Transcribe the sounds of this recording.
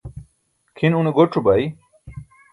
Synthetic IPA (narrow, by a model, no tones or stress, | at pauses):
kʰinuneɡoʈ͡ʂʰubai